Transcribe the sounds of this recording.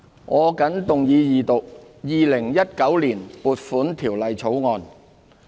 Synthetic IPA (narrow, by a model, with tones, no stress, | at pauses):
ŋʔɔː˨˧kɐ˨˥nt̪ʊ˨ŋjiː˨˧jiː˨˩t̪ʊ˨k̚ | jiː˨lɪ˨˩ŋjɐ˥t̚kɐ˨˥wliː˨˩npuː˨t̚fuː˨˥nt̪ʰiː˨˩wlɐ˨jt͡sʰo˨˥wŋɔː˨˧n